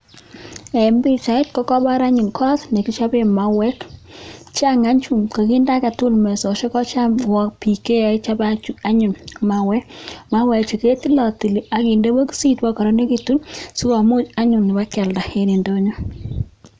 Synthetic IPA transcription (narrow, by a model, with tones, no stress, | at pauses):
ɛ˨mbi˦t͡ʃa˨ɪ˦tkɔ˦kɔ˦ba˦ɾa˦ɲu˨nkʰɔ˦tne˨ki˦t͡ʃa˦bema˨wɛ˦k | t͡ʃa˦ŋa˦ɲt͡ʃu˦˨mka˨ki˦nda˦ka˨tu˦lmɛ˨sɔ˨ʃe˦kɔ˦t͡ʃamwɔ˦kpi˨ke˦a˨˦t͡ʃa˦ba˦t͡ʃu˦a˦ɲu˨nma˨wɛ˦ma˦wɛ˨kt͡ʃi˨ke˦ti˦lɔ˨ti˨li˨ʔa˨ki˨nde˦bo˦ki˦si˦twɔ˦kɔ˨ɾɔ˦ne˦ki˦tu˦nsu˦kɔ˨mʊ˦t͡ʃa˦ɲʊ˨nːɪ˨ba˦kɛ˨lda˨eni˨ndo˦ɲo˦